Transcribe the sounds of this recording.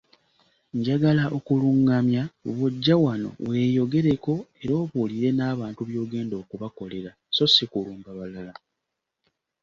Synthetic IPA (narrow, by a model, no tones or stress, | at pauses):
ɲɟaɡalaʔo̞kuluŋɡamjauβuɟːawano̞̰we̞ːjo̞ɡe̞ɾe̞ko̞e̞ɾo̞ːβuːliɾe̞naːβaːntuβjo̞ːɡe̞ːndo̞ːkuβako̞le̞ɾa | so̞sikuluːmbaβalala